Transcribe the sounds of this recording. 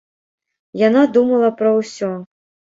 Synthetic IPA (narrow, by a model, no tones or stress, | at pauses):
janad̪umɐlˠɐpɾɐwsʲɔ